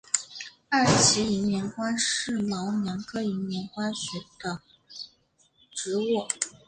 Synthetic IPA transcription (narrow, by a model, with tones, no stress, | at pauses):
a˥˩t͡ɕʰi˧˥i˧˥mjɛ˧˥nkwa˥nʂɻ̩˥˩mɑ˧˥ʊnjɑ˧˥nkʰɤ˥i˧˥mjɛ˧˥nkwa˥nɕɛ˧˥d̪ə˧ | ʈ͡ʂɻ̩˧˥wɔ˥˩